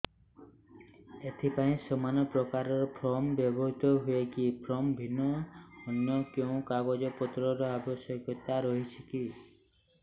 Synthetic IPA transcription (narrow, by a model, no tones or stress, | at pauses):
et̪ʰipaĩsəmanɔpɾɔkaɾɔɾɔpʰɾɔmbjɔbɔɦit̪ɔɦuekipʰɾɔmbʱinːɔːnjɔkjeũkaɡɔd͡ʒɔpɔt̪ɾɔɾɔabɔsjɔkjɔt̪aɾɔɦit͡ʃʰiki